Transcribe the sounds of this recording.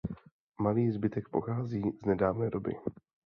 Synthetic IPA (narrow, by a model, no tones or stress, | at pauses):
maliːzbɪt̪ɛk̚po̞xaːziːznɛdaːvnɛːdo̞bɪ̰